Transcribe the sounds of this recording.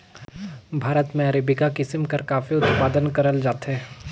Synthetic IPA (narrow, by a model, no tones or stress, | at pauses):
bʱaːɾət̪mẽɐɾeːbɪkakɪsəmkɐɾkaːfiʊt̪paːd̪ənkɐɾəld͡ʒaːt̪ɦɛː